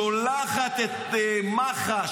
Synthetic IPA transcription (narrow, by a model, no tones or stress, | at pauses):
olaχat̪et̪maχa